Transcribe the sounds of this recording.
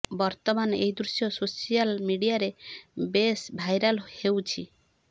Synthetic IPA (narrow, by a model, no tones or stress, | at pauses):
bɔɾt̪ɔmaneɦid̪ɾusjɔsosijalmiɽijaɾebesbʱajɾalhewt͡ʃʰi